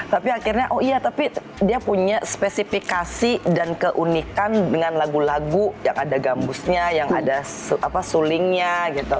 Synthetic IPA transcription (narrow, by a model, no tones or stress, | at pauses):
t̪apiakirɲaʔoijat̪api | diapuɲaspesifikasidankəʔunikandəŋanlaɡulaɡuja̰ŋʔadaɡambʊsɲajaŋada | ʔapasulɪŋɲaɡit̪u